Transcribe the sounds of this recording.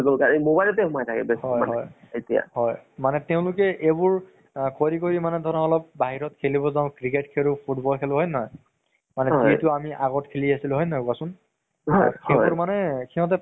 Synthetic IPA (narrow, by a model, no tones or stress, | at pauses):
ɡolkaɹmobajlɔtɛhumajtʰakɛ̰bɛshɔjaɦɔj | etija̰hɔjmanɛteʊ̃lʊkɛʔebʊɹ | koɹikoɹimanɛdʱɔnaɔlɔp̚baɦiɹɔtkʰeliβɔzaʊ̃kɹiketkʰeɹʊpʰutbɔlkʰeluɦɔjnɔj | manɛzitʊamiʔaɡɔtkʰeliasilʊɦɔjnajasʊn | ɦɔkʰeɔɹmanɛkʰiɦɔt̬ɛ